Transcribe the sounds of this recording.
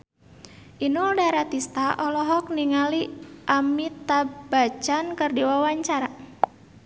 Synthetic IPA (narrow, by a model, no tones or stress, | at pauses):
ʔinuldaɾat̪ist̪aʔɔlɔɦɔk̚niŋaliʔamit̪abat͡ʃankərdiwawaɲt͡ʃaɾa